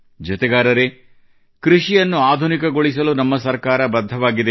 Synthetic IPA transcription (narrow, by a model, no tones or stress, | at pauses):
d͡ʒɐt̪ɛɡaːɾɐɾe̞ | kɾiʃijɐnːuaːd̪ʱunikɐɡo̞ɭisɐlunɐmːɐsɐɾkaːɾɐbɐd̪ʱːɐʋaːɡid̪e